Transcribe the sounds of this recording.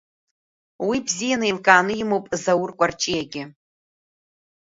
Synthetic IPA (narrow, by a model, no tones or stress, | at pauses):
wibzijanɨjlkʼaːnɨjimowpʼzawʊrkʷʼart͡ʃʼijaɡʲɪ